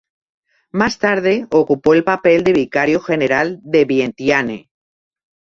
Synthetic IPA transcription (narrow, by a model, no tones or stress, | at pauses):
mast̪aɾðe̞okupo̞elpape̞ld̪e̞β̞ikaɾjoxe̞neɾald̪e̞βjent̪jane